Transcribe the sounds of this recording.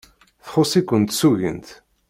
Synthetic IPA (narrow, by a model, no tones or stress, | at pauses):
θχosˤikʷːənt̪suʝə̰nt̪